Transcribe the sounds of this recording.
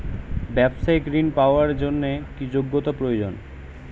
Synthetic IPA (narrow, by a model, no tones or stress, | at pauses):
bɛbʃajkɾinpaoaɾd͡ʑonːekid͡ʑoɡːot̪apɾojod͡ʑon